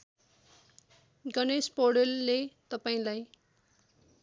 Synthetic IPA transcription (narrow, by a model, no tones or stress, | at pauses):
ɡʌnespoɽelːet̪ʌpaĩlaj